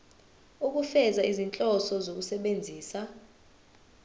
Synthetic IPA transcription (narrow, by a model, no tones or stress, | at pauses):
uk̬ʼufɛzaizint͡ɬʼɔsɔzok̬usɛɓend͡zʱiːsa